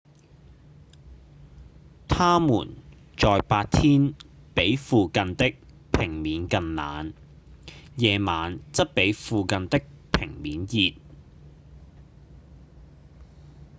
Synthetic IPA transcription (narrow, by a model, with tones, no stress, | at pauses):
t̪ʰaː˥mṵː˨˩n | t͡ʃɔː˨jpaː˧t̚t̪ʰiː˥n | pe˨˥jfuː˨˧kɐ˧nt̪ɪ˥k̚ | pʰɪ˨˩ŋmiː˨˥nkɐ˧nla̰ː˨˥n | jɛː˧maː˨˧nt͡sɐ˥t̚pe˨˥jfuː˨kɐ˧nt̪ɪ˥k̚pʰɪ˨˩ŋmiː˨˥njiː˨t̚